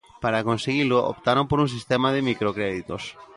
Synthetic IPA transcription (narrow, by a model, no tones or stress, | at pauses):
paɾakonseɣilʊo̰pt̪aɾompoɾuŋs̬ist̪emaðɪmikɾokɾeðit̪os